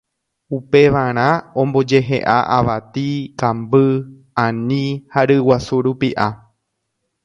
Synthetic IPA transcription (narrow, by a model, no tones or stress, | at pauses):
upe̞ʋaɾ̃ãõmbo̞d͡ʒe̞ɦe̞̰ʔaʔaʋat̪ikãmbɨ | ãnĩhaɾɨwasuɾupiʔa